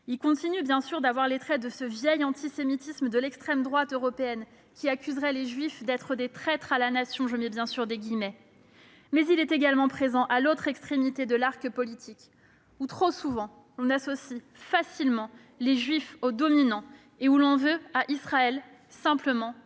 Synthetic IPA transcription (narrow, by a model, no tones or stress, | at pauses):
ilkɔ̃t̪inybjɛ̃syʁd̪avwaʁlet̪χɛd̪əsəvjɛjɑ̃t̪isemit̪isməd̪əlɛkst̪χɛmd̪ʁwat̪øʁɔpeɛn | kʲiakʲyzʁɛleʒɥifd̪ɛt̪χəd̪et̪χɛt̪χalanasjɔ̃ʒəmɛbjɛ̃syʁd̪əɡʲimɛ | mɛzilɛt̪eɡalmɑ̃pχezɑ̃ʔalot̪χɛkst̪χemit̪ed̪əlaʁkəpɔlit̪ʰik | ut̪χosuvɑ̃ | lɔ̃nasɔsi | fasilmɑ̃ | leʒɥifod̪ɔminɑ̃ | eulɔ̃vøaʔisχaɛl | sɛ̃pləmɑ̃